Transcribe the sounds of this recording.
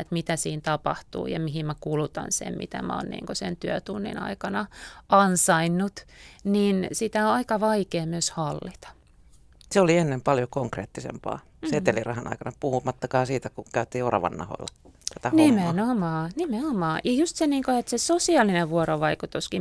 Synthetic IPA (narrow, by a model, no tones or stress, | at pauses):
et̪mit̪æsiːnt̪ɑpɑ̰ht̪ṵːjɑ̰miɦimmækulut̪ɑ̰nsḛmmḭt̪æ̰mæ̰o̰ːnnḭːŋkosḛnt̪yøt̪unːḭnɑ̰ikɑnɑɑnsɑinːut̪ninsit̪æoɑikɑʋɑikeːmyøshɑlːit̪ɑ̥ | seolienːempɑljokoŋkrḛːt̪ːisḛmpɑ̰ː | set̪elirɑhɑnʔɑ̰ikɑnɑpuhumɑt̪ːɑkɑːsiːt̪ækukæyt̪ːˑiːorɑ̰ʋɑ̰nːɑ̰ho̰ilːɑt̪æt̪ænimenomɑːnimeomɑːjɑjust̪seniːŋkoet̪sesosiɑˑlːineʋuoɾoʋɑikut̪uski